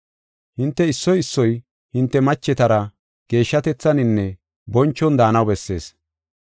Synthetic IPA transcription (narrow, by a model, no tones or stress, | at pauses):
hɪnt̪ːɛɪsːɔjɪsːɔj | hɪnt̪ːɛmɐt͡ʃːɛt̪ɐɾɐ | ɡ̥e̞ːʃːɐt̪ɛt͡sːɐnɪnːɛ | bɔnt͡ʃːɔnd̪aːnɐwbɛsːe̞̰ːs